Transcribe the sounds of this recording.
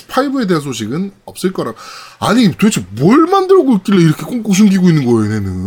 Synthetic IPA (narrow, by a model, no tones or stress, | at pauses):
pʰaibɯe̞de̞ɦansʰoɕʰiɡɯnʌp̚s͈ɯɭk͈ʌɾaɡoaɲitwet͡ɕʰimwʌɭmandɯɾʌɡoik͈iɭːeiɾʌkʰe̞k͈oŋk͈uk̚sʰuŋɡiɡoinːɯnɡʌenenɯ